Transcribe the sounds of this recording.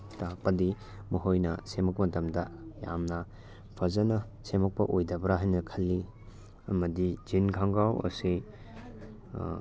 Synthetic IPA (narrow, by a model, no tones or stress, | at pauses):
tak̚pɐdi | mɐɦojnɐsemɐkmɐtɐmdɐja̰mnɐ | pʰɐzɐnɐ | semɐk̚pɐʔojdɐbɾaɦajnɐkʰɐlːi | ɐmɐdid͡ʒinɡʰʱaŋɡawɐ̰si